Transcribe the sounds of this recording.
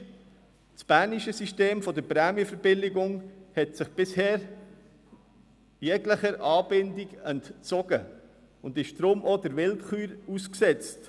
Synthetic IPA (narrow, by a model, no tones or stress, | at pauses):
spæːɾniʃəsiʃteːmfɔdəɾpɾɛmjəfəɾb̥ɪlɪɡʊŋhɛtsɪχb̥ɪsheːɾ | jɛɡləχəɾʔɑːb̥ɪndiɡɛntt͡sɔɡ̥ə | ʊndɪʃd̥ɾʊmod̥əɾʋɪlχyːɾusksɛt͡st